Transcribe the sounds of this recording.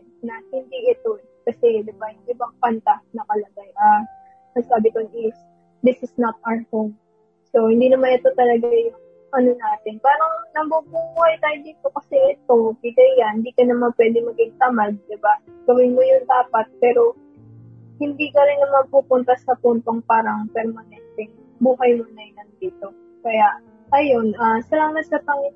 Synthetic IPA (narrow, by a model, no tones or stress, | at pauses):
nɐhɪnd̪iʔɪt̪o | kɐsɛd̪ɪbahɪnd̪iːbɐŋpɐnt̪ɐnɐkɐlɐɡajʔa | nɐsaːbɪt̪onʔɪs | d̪ɪsɪsnɐt̪̚ʔaɹhom | so̞hɪnd̪iːnɐmanɪt̪ot̪ɐlɐɡajʊŋ | ʔɐno̞naːt̪ɪnpaːɾɐŋnɐbubuhɐjt̪aːjɪd̪ɪnpokɐsɛlɪt̪̚koɡiɡɐjɡɐnhɪnd̪iːkɐnɐmanpwɛːd̪ɪŋmɐɡɪŋt̪ɐmad̪̚d̪ɪba | ɡ̥ɐwɪnmojʊŋt̪aːpɐt̪̚pɛːɾo̞ | hɪnd̪iːkɐɾɪnnɐmɐɡ̚puːpʊnt̪ɐsɐpʊnt̪oŋpaːɾɐŋpɛɾmɐnɛnt̪ɛŋ | buːɦɐjmonɐjnɐŋd̪iːt̪o̞ | kɐjaʔ | ɐjo̞nʔasɐlaːmɐt̪̚sɐpɐŋɪ